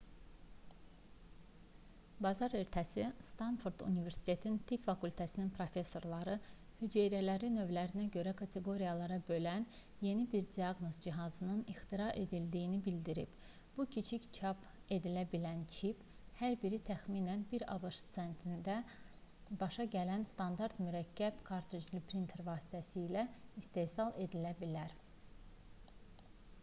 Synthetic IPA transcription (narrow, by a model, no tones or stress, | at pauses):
bɑzɑɾøɾt̪ʰæsist̪ɑnfuɾd̪ṵnive̞ɾsi̥t̪ʰe̞t̪ʰint̪ʰipfɑkulʲt̪ʰæsininpʰɾo̞fe̞sːo̞ɾlˠɑɾɯ | hyd͡ʒejɾiælæɾinø̞vlæɾinæɟø̞ɾækʰɑt̪ʰe̞ɡo̞ɾijɑlˠɑɾɑbø̞læn | je̞nibiɾd̪iɑɡno̞zd͡ʒiɦɑzɯnɯnixt̪iɾɑʔe̞d̪ild̪ijinibild̪iɾḭb̥ | b̥ucʰit͡ʃʰict͡ʃʰɑpʰ | e̞d̪ilæbilænt͡ʃʰip | hæɾbiɾit̪ʰæxmiːnænbiɾɑ̰vˠɯʃt̪sent̪ʰind̪æ | bɑʃɑɟælænst̪ɑnd̪ɑɾt̪myɾæcʰːæbkʰɑɾt̪ʰod͡ʒlˠupʰɾint̪ʰeɾvɑːsi̥t̪ʰæsiːlæist̪e̞ːsɑlˠe̞d̪ilæbilæɾ